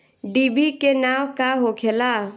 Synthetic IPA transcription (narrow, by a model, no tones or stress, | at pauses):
ɖibikenaːwkaɦokʰela